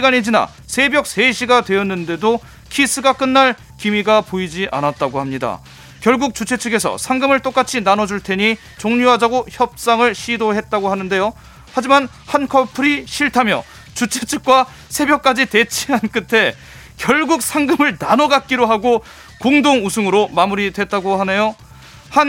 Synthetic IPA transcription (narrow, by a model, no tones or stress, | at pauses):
ɕiɡaned͡ʑina̰ | sʰe̞bjʌk̚s͈ʰe̞ɕʰiɡadwe̞jʌnːɯnde̞do | kʰis͈ɯɡak͈ɯnːaɭ | kimiɡapoid͡ʑiʔa̰nat̚t͈aɡohamɲida̰ | kjʌɭɡuk̚t͡ɕut͡ɕʰe̞t͡ɕʰɯɡe̞sʰʌ̰sʰaŋɡɯmɯɭt͈ok͈at͡ɕʰinanʌd͡ʑuɭtʰe̞ɲi | t͡ɕoŋɲuɦadaɡoçjʌp̚s͈aŋɯɭɕʰidoɦet̚t͈aɡohanɯnde̞jo | had͡ʑiman | hankʰʌpʰɯɾiɕʰiɭtʰamjʌ̰ | t͡ɕut͡ɕʰet͡ɕʰɯk̚k͈wa | sʰe̞bʲjʌk̚k͈ad͡ʑite̞t͡ɕʰiɦank͈ɯtʰe̞ | kjʌɭɡuk̚sʰaŋɡɯmɯɭnanʌɡak̚k͈iɾoɦaɡo | koŋdoŋusʰɯŋɯɾomamuɾidwe̞t̚t͈aɡohane̞jo | han